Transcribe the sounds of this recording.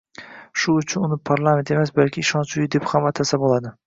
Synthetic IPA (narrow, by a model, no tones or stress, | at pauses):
ʃʊːt͡ʃʰʊnʊnɪpʰaɾlˠamʲe̞nt̪e̞masbalkʲʰɪːʃɒnt͡ʃʊjɪd̪e̞phamat̪ʰasabolˠad̪ɪ